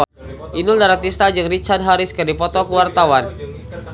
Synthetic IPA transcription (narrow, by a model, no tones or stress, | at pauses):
ʔinʊldaɾak̚t̪ist̪ad͡ʒɨŋrit͡ʃard̚ɦaɾɪskɨrdipɔt̪ɔkuwart̪awan